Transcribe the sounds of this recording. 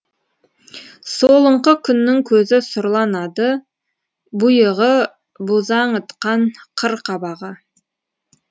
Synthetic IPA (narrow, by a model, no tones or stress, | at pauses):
so̞lˠəɴqəkʲʰʏnːɪŋkʲʰɵzɪsʊɾlˠɑnɑd̪ə | bʊjəʁə | buzɑɴət̪qɑɴqʰəɾqʰɑbɑʁə